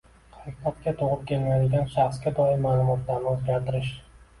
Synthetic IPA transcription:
hɑqat̪̚kʲat̪ʰoʁɨp̚kʲʰe̞lmajd̪ɪɡʲanʃaχsɡʲad̪ɒɪmaːlˠʊmɒt̪ʰlaɾnɪɵzɡʲaɾt̪ʰɪɾɪʃ

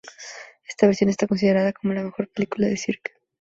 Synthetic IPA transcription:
e̞st̪aβe̞ɾsjo̞nest̪ako̞ns̬ið̞e̞ɾaðako̞mo̞lame̞xo̞ɾpelikulaðesiɾk

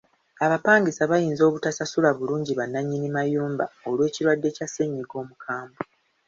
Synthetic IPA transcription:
aβapaːŋɡisaβajiːnzo̞ːβutasasulaβuluːɲɟiβanːaɲːinimajuːmba̰olwe̞ːciɾwadːe̞case̞ɲːiɡo̞ːmukʰaːmba

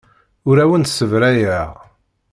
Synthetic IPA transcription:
ʊɾæwənsəvɾæjæʁ

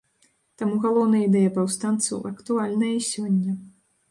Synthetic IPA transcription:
t̪amuɣalˠɔwnɐjɐid̪ɛjɐpawst̪ant̪sɐ̰wʔɐkt̪ualʲnɐjɐisʲɔnʲːɐ

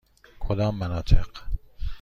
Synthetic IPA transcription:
kʰod̪ɒːmːænɒːt̪ʰeq

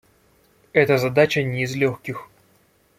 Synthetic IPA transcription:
ɛt̪əzɐd̪at͡ɕənʲɪːzlʲoxʲkʲɪx

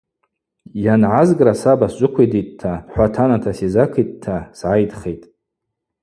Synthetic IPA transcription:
janʕazɡʼrasabast͡ʃʷʼʊkʷiditʼtʰːaħʷatʰanatʰasizakʰitʼtʰːasʕajdχejtʼ

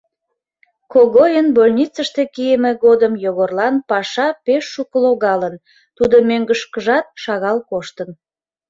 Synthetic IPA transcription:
koɣojənbolʲnʲit͡səʃt̪e̽kijəmeɣod̪əmjoɣorlɑnpɑʃɑpeʃːukəloɣɑlən | t̪ud̪omøŋɡəʃkəʒɑt̪̚ʃɑɣɑlkoʃt̪ən

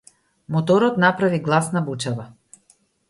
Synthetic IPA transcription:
mɔt̪ɔɾɔt̪napɾaviɡlˠasnabut͡ʃava

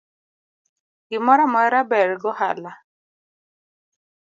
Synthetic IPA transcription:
ɡɪmɔɾamɔɛɾabɛɾɡɔha̰la

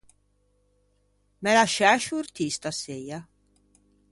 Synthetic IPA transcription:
mɛlaʃaʃuːɾt̪ʰist̪aseja

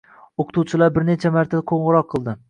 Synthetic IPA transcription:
oqʰɨ̥t̪ʰuwt͡ʃʰɪlaɾbɪɾne̞t͡ʃʰamaɾt̪ʰad̪aqʰoɴʁɨɾɒqʰːɨlˠd̪ɪ

